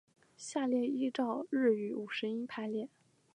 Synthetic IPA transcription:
ɕja˥˧ljɛ˥˧i˥ʈ͡ʂɑ˥˧ʊɻɻ̩˥˩y˧˥u˨˩ʂɻ̩˧˥i˥pʰa˥ɪljɛ˥˩

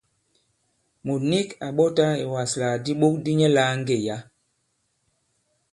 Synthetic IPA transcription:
mo˨ni˦ka˨ɓɔ˦ta˦e˨wa˨sla˨di˦ɓo˦k̚di˦ɲɛ˦laː˨˦ŋ˦ɡe˨ja˦

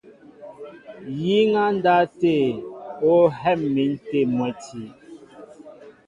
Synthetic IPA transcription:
ji˦ŋa˦n̩˦da˦te˦˨o˦ɦɛ˦˨mːi˨˦n̩˦te˦˨mwɛ˨˦tʰi˨˦

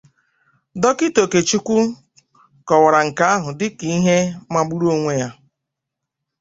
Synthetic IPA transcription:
dɔ˦kɪ˦to˨ke˨t͡ʃi˦kʷu˦ | kɔ˨wa˨ɾa˨ŋ̩˨ka˦a˦ɦʊ˨dɪ˦ki˦i˦ɦe˦ma˦ɡ͡bu˦ɾu˦o˦ŋʷe˦ja˦

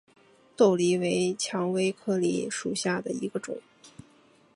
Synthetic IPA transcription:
t̪o˥˩ʊli˧˥we˧˥ɪt͡ɕʰjɑ˧˥ŋwe˥ɪkʰɤ˥˩lḭ˥ʂu˨˩ɕja˥˩d̪ə˩i˧˥ɡə˧ʈ͡ʂʊ̰˨˩˦ŋ

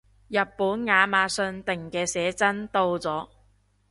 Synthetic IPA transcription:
jɐ˨t̚pːuː˨˥nŋaː˨˧maː˨˧sɵ˧nt̪ɪ˨ŋkɛː˧sɛː˨˥t͡sɐ˥nt̪o˧wt͡sɔː˨˥

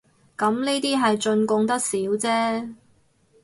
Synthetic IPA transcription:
kɐ˨˥mniː˥t̪iː˥ɦɐ˨jt͡ʃɵ˧nkʊ˧ŋt̪ɐ˥k̚siː˨˥wt͡sɛː˥

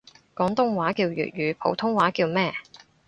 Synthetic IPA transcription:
kɔː˨˥ŋt̪ʊ˥ŋwaː˨˥kiː˧wjy̰ː˨t̚jyː˨˧pʰo̰˨˥wt̪ʰʊ˥ŋwaː˨˥kiː˧wmɛː˥

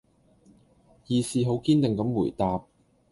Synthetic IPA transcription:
jiː˨˧siː˨˧ɦo˨˥wkiː˥nt̪ɪ˨ŋkɐ˨˥mwuː˨˩jt̪aː˨p̚

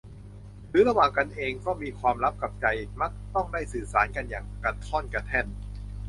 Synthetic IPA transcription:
ɾɯː˨˩˦ɾa˧waː˨˩ŋka˧nʔeː˧ŋkɔː˥˩miː˧kʰwaː˧mɾa˦˥p̚ka˨˩p̚t͡ɕa˧jma˦˥k̚t̪ɔ˥˩ŋdaː˥˩jsɯː˨˩saː˩˦nka˧njaː˨˩ŋka˧˩t̪ʰɔ˥˩nka˧t̪ʰɛ˥˩n

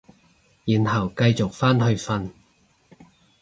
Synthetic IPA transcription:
jiː˨˩nhɐ˨˩wkɐ˧jt͡sʊ˨k̚faː˥nhɵ˧ɥfɐ˧n

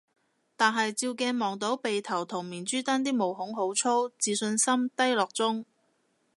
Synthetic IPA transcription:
t̪aː˨nɦɐ˨jt͡siː˧wkɛː˧nmɔː˨ŋt̪o˨˥wpe˨jt̪ʰɐ˨˩wt̪ʰʊ˨˩ŋmiː˨˩nt͡ʃyː˥t̪ɐ˥nt̪iː˥mo˨˩wɦʊ˨˥ŋɦo˨˥wt͡sʰo˥wt͡siː˨sɵ˧nsɐ˥mt̪ɐ˥jlɔː˨k̚t͡sʊ˥ŋ

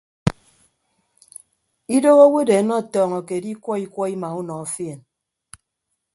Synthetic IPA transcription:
i˦do˦ɣo˦we˦de˨˦nɔ˦˨tɔː˨ŋɔ˨ke˨di˦kʷɔ˦i˦kʷɔ˦i˦ma˨u˦nɔ˨ɔ˦fi˦e˨n

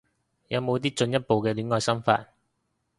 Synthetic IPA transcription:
jɐ˨˧wmo˨˧wt̪iː˥t͡ʃɵ˧njɐ˥t̚po˨wkɛː˧lyː˨˥nŋɔː˨˧jsɐ˥mfa̰ː˧t̚

